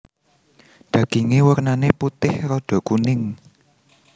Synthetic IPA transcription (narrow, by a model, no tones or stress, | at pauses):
d̪̥ä̤ɡ̥eŋewərnaneput̪ɪhɾɔɖ̥ɔ̤kunɪŋ